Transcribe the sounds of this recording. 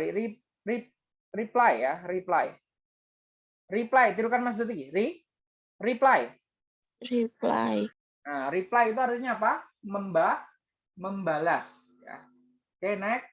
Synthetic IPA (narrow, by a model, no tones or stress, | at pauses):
iɾi | rip̚ | riplajːaɾipla̰j | riplajt̪iɾukanmas̬d̪ut̪̬iɡiɾi | riplaj | ripla̰j | ʔəɾiplajit̪̬uaɾɲaːpaməmba | məmbalas | ja̰ | kajnaɪk̚